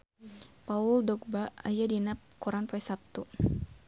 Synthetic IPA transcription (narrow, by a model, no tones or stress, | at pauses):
paʊldɔk̚baajadinap̚kuɾanpaisap̚t̪u